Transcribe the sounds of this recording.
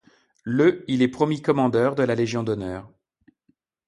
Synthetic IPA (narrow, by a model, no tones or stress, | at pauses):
løilɛpχɔmjikɔmɑ̃d̪œʁd̪əlaleʒjɔ̃d̪ɔnœːʁ